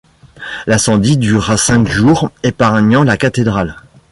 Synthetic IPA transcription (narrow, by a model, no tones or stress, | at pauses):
lasɑ̃d̪id̪yʁasɛ̃kʒuʁepaʁɲɑ̃lakat̪ed̪ʁal